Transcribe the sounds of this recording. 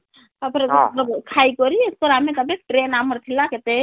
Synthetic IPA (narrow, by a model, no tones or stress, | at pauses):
t̪əpɾeɾkʰaikɔɾieskəɾamet̪əbekʈɾenaməɾt̪ʰilaket̪e